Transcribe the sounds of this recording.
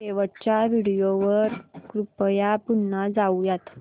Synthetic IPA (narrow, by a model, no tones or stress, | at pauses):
eʋəʈ̚t͡ɕjaʋiɽijoʋəɾkɾupjapunːad͡zaujat̪